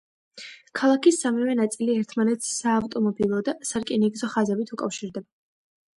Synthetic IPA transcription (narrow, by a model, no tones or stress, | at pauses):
kʰalˠakʰisːamivɛnat̪sʼiliɛɾt̪ʰmanɛt̪ssaːvt̪ʼɔmɔbilˠɔd̪asaɾkʼiniɡzɔχazɛbit̪ʰukʼafʃiɾd̪ɛba